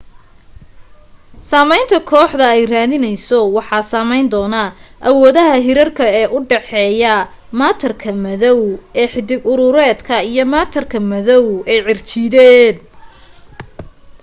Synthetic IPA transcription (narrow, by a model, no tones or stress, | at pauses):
saːmɛjnt̪ʰɐkʰɔːħðɐɛjraːðɪnɛjsɔwɑħɑːsaːmɛjnd̪ɔːnɐʔɐwɔːðɐɦɐɦɪɾɐrkʰɐɛːʔʊɖɛħɛːjɐ | maːt̪ʰɐrkʰɐmɐðɔwɛːħɪd̪ɪɡʊɾʊɾɛːd̪kʰɐijɞmaːt̪ʰɐrkʰɐmɐðɔwɛjʕɪrt͡ʃɪðɛːd̪